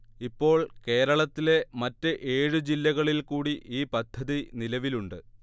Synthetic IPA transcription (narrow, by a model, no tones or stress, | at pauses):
ipːo̞ːɭke̞ːɾɐɭɐt̪ːile̞mɐtːɨʔe̞ːɻɨd͡ʑilːɐɣɐɭilkuːɽiʔiːpɐd̪ʱːɐðinilɐʋiluɳɖɨ